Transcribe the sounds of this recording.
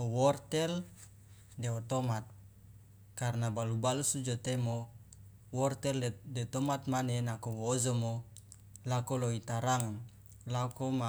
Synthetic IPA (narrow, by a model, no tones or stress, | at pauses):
owɔrt̪ɛl | deɔt̪omat̪̚ | karnabalubalusud͡ʒot̪emo | wɔrt̪ɛldet̪omat̪̚manenakowozomo | lakoloit̪aɾaŋ | lakoma